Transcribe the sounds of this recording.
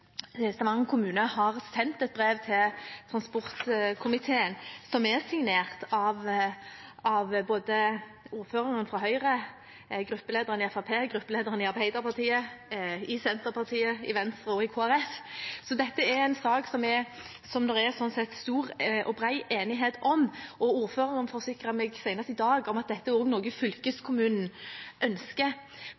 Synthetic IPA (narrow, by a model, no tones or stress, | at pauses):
sɑmɑŋːəkʰʊmʉːnəhɑʁsɛnt̪ɛt̪̚bʁeːʋt̪ʰɪlt̪ʰʁɑnspɔʁt̪kʰʊmɪt̪ʰeːənsɔmɛʁsɪŋneːʁt̪ɑʋ | ɑʋboːd̪ə | uːʁføːʁɑŋənfɾɔɦœʏʁə | ɡɾʉpːəleːd̪əʁənɪɛfɑpʰeːɡʁʉpːəleːd̪əʁənɪɑɾbæɪd̪ɑʁpɑʁt̪ʰiːə | ɪsɛnt̪əpʰɑʁt̪ʰiːəɪʋɛnst̪ɾʁəɔɪkʰoːæɾɛfsɔd̪ɛt̪ːəɛɾæɪnsɑːksɔmɛ | sɔmd̪ɛɾɛsɔnsɛt̪st̪uːʁʔɔbɾæɪʔeːnɪɦeːt̪ɔmʔɔuːɾføːʁɪŋənfɔɾsɪkɾəmɛɡsæɪnəst̪ɪd̪ɑːɡɔmɑt̪̚d̪ɛt̪ːəoːɡnɔːɡəfʏlkəskʰʊmʉːnn̩ʔœnskə